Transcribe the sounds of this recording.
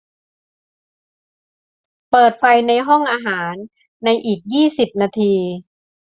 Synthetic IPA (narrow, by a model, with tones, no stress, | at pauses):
pɤː˨˩t̪̚fa˧jna˧jɦɔ˥˩ŋʔaː˧ɦaː˩˦nː | a˧jʔiː˨˩k̚jiː˥˩si˨˩p̚naː˧t̪ʰiː˧